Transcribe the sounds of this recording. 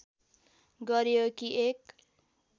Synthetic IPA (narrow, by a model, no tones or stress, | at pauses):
ɡʌɾjokiek